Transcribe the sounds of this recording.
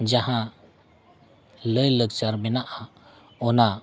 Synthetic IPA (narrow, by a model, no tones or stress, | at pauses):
d͡ʒaɦã | ləjləɡt͡ʃaɾmɛnaʔa | ɔna